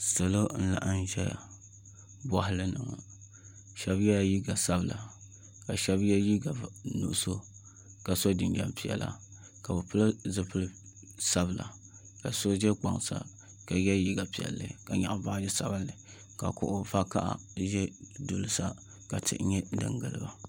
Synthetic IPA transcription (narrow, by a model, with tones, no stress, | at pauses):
sa˨lo˦n̩˦la̰˨ʔa˦n˦ʒɛ˦ja̰˨ | ba˦hʊ˦lɨ˦nɨ˨ŋɔ̰˨ | ʃɛ˦bjɛ˦ja˦ji˦ɡa˨sa˦bɨ˨la˨ | ka˨ʃɛ˦bjɛ˦ji˦ɡa˨nṵ˦ʔso˦ | ka˨so˦dɨ˨nd͡ʒɛ̰˦mpi˨jɛ̰˨la̰˦ | ka˨bɨ˨pɨ˦lɨ˦zɨ˦pɨ˦lɨ˦ | sa˦bɨ˨la̰˨ | ka˨so˦d͡ʒɛ˦k͡pa˨ŋsa̰˨ | ka˨jɛ˦ji˦ɡa˨pi˨jɛ̰˨lːɨ̰˦ka˨ɲa̰˨ʔba˦dɨ˦sa˨bɨ˦nːɨ˨ | ka˨kʊ̰˨ʔʊ˨va˦ka̰˦ʔa̰˨ | ʒɛ˦dʊ˨lɨ˨sa˦ | ka˨tɨ̰˨ʔɲɛ˦dɨ̰˨ŋɡɨ˨lɨ̰˦ba˨